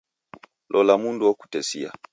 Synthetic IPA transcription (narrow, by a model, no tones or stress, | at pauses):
lʔɔlamunduwɔku̥tɛsia̰